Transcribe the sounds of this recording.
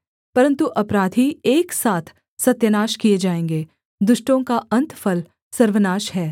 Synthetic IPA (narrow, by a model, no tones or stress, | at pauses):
pɐɾə̃nt̪uʔɐpɾaːd̪ʱieːksaːt̪ʰ | sɐt̪jənaːʃkied͡ʒaːẽːŋɡeː | d̪ʊʃʈõkaɐ̃nt̪fɐl | sɐɾʋənaːʃɦɛː